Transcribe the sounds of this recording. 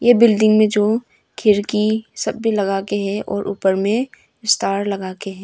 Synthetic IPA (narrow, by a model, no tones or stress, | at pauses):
jebɪlɖɪ̃ŋɡmẽd͡ʒoː | kʰɪɾkisɐbbʱilɐɡaːkeɦɛʔɔːɾʔṵːpəɾmẽ | ɪst̪aːɾlɐɡaːkeɦɛ̃ː